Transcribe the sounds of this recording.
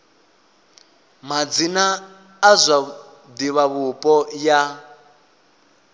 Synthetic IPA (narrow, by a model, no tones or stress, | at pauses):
mad͡zinaː | zʷa | diβaβupʼɔja